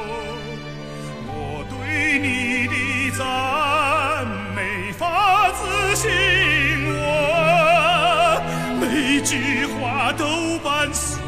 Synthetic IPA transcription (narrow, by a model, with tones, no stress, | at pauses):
wɔ˨˩t̪we˥ɪni˨˩t̪i˧t͡sa˧ | n | me˧˩ɪɪfa˧˥t͡sɹ̩˧ɕi˧˥ŋwɔ˨˩ | pe˧ɪ˧ɪt͡ɕy˧˥xwa˧˥t̪o˧˥ʊpa˧˥ns